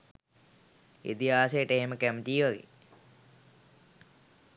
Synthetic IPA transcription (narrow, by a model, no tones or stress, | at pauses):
ḭt̪iɦaːsəjəʈəeɦeməkæmt̪iːʋaɡḛ